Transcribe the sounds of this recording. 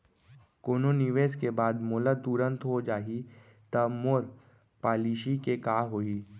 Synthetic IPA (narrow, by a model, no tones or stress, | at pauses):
koːnonɪʋeːskebaːd̪moːlat̪uɾə̃nt̪ɦod͡ʒaːɦi | t̪ɐmoːɾ | paːliːʃikekaːɦoiː